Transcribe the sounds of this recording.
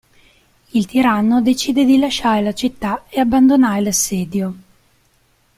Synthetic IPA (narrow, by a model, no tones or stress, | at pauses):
ilt̪iɾanːod̪et͡ʃiːd̪ed̪ilaʃaːɾelat͡ʃit̪ːaeabːand̪onaːɾelasːɛːd̪jo